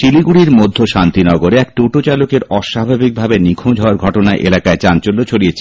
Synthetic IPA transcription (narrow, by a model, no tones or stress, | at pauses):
ʃiliɡuɽiɾmod̪ʱːoʃant̪inɔɡoɾeɛk̚ʈuʈot͡ɕalokeɾɔʃabʱabik̚bʱabenikʰõd͡ʑʱɔoaɾɡʱɔʈonaʔḛlakaet͡ɕant͡ɕolːot͡ɕʰoɽiet͡ɕʰe̥